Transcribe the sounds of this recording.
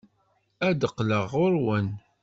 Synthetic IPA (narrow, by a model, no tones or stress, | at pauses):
æd̪əqːləʁʊɾwən